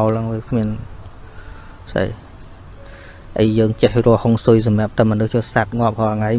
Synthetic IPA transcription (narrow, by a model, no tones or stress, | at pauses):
wlʔaŋʋikʰmiən | sə̰j | ʔəjːəːŋt͡ɕəhrŏəhoŋsujs̬ɑmĭəp̚t̪əmːənɨht͡ɕuːsat̪̚ŋŏəp̚kʰɔŋaj